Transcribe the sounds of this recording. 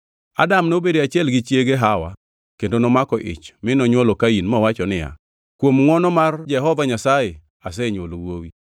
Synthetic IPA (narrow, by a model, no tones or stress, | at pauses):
a̰damnobedeat͡ʃɪɛlɡɪt͡ʃjeɡeɦawa | kendonɔmakɔʔɪ̰t͡ʃmɪnɔɲwɔlokainmɔwat͡ʃɔnɪja̰ | kwomŋɔnɔmard͡ʒɛɦɔvaɲasaje | as̬ɛɲwolwowi